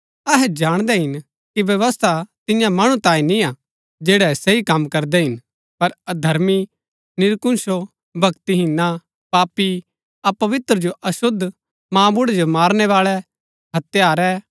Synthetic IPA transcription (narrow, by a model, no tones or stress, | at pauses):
ɐɦɛd͡ʒaːɽ̃d̪ɛɦɪn | kiʋjɐʋəst̪ʰat̪ɪjãmɐɽ̃ũt̪ãːĩnĩa | d͡ʒeːɽɛsɐikɐmːkɐɾd̪ɛɦɪn | pɐɾɐd̪ʱɐɾmi | nɪɾkʊ̃nʃo | bʱɐkt̪iɦɪnːa | paːpi | ɐpɐʋɪt̪ɾəd͡ʒoʔɐsʊd̪ʱː | mãːbʊɽɛd͡ʒomaːɾnɛʋaːɭɛ | ɦɐt̪jaːɾɛ